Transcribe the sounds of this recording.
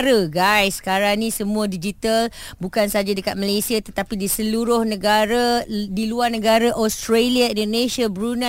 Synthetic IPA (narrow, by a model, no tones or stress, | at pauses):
ɾaɡajsːkaɾaŋnĩsəmũadid͡ʒit̪al | bukansad͡ʒadəkat̪̚malajsiat̪ət̪apidisəluɾʊhnə̃ɡaɾadiluarnəɡaɾaʔɔst̪ɾaliaindonesiabɾuna